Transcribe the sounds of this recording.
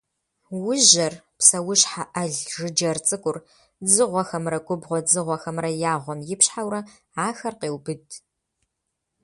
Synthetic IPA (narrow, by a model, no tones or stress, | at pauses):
wʊʑɐrpsɐwʊɕħaʔɐɮʒɨd͡ʒɐrt͡sʼɨkʷʼʊr | d͡zɨʁʷɔxɐmrɐɡʷʼʊbʁʷɔd͡zɨʁʷɔxɐmrɐjaːʁʷɔmjɪpɕħawrɐ | aːxɐrqeːwbɨdʼ